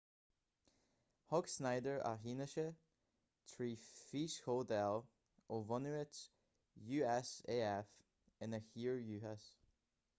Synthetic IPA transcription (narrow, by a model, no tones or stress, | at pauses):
hɔksnaɪdəɹʔa̰ɦinəʃə | t̪ʰɹiːfiʃhodɛlˠ | ovɔnʉət | juːɛseːɛf | ənəxiːɹjʉːhɛs